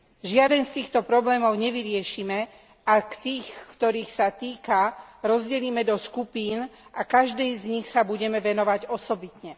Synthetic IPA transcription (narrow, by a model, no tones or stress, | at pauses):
ʒɪad̪ɛnst̪iːxt̪ɔpɾɔblɛːmɔʊɲɛʋiɾɪɛʃiːmɛ | akt̪iːxkt̪ɔɾiːxsat̪iːkaɾɔzɟɛliːmɛd̪ɔskupiːnakaʒd̪ɛjzɲixsabuɟɛmɛʋɛnɔʋaɟɔsɔbit̪ɲɛ